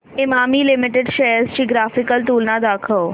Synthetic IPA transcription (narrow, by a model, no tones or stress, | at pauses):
ɪmaːmilɪmɪʈɪɖʃɐjəɾzt͡ɕiːɡɾaːfɪkəlt̪uːlnãd̪aːkʰəw